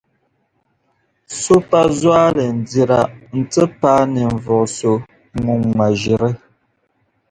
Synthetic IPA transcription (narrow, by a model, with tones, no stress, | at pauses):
so˦pa˦zwaː˦lɨ˨n̩˨di˨ɾa˨n̩˨tɨ˦paː˦nɨ˨ɱ˨vɔ˨ʔso˨ | ŋu˨ŋːa˨ʒi˨ɾɨ˦